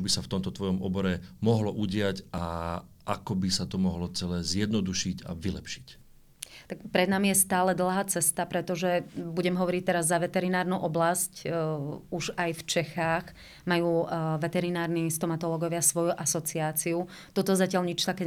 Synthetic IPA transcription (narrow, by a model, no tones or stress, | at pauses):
bisaft̪ɔmt̪ɔt̪ʋɔjɔmɔbɔɾɛmɔɦlɔʔuɟɪaca | akɔbisat̪ɔmɔɦlɔt͡sɛlɛːzjɛd̪nɔd̪uʃica̰ʋilɛpʃi̥c | t̪akpɾɛd̪namijɛst̪aːlɛd̪l̩ˠɦaːt͡sɛst̪apɾɛt̪ɔʒɛbuɟɛmɦɔʋɔɾic̚t̪ɛɾazːaʋɛt̪ɛɾinaːɾnuʔɔblasc | uʒajft͡ʃɛxaːɣ | majuːʋɛt̪ɛɾinaːɾnist̪ɔmat̪ɔlɔɡɔʋɪasʋɔjuʔasɔt͡siaːt͡siut̪ɔt̪ɔzacɪaʎɲit͡ʃt̪akɛ